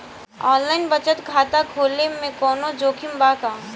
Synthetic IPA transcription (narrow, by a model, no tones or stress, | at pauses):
ɔːnlaːɪnbɐt͡ʃət̪kʰaːt̪akʰoːlemẽkɔːnod͡ʒoːkʰɪmbaːkaː